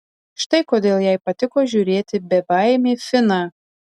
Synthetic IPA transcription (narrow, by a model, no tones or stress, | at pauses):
ʃt̪ɐɪkoːd̪ʲeːlˠjɛɪpɐt̪ʲɪkoːʒʲuːɾʲeːt̪ʲɪbʲɛbɑɪmʲeːfʲɪnɑː